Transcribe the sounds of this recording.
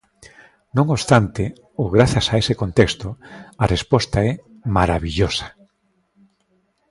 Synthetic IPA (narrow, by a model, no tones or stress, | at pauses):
nõŋost̪ant̪ɪ | oɣɾaθjasaesekont̪ekst̪oarespɔst̪aɛ | maɾaβiʎosḁ